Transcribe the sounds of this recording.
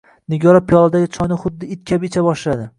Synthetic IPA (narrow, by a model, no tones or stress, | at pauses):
nɪɡʲɒɾapʰijɒlˠad̪aɡʲɪt͡ʃʰɒjnɪχʊd̪ːɪɪt̪̚kʲʰabɪt͡ʃʰabɒʃlad̪ɪ